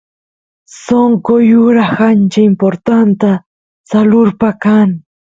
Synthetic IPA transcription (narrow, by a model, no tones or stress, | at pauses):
soŋkojʊɾaxant͡ʃaimpoɾt̪ant̪a | salʊɾpakaŋ